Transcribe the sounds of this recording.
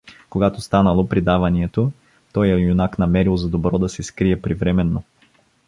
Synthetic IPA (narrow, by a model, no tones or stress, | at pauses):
koɡat̪ost̪anəlˠopɾid̪avɐniɛt̪o | t̪ɔjɛjunaknɐmɛɾilˠzɐd̪obɾɔd̪ɐsɛskɾiɛpɾivɾɛmɛnːo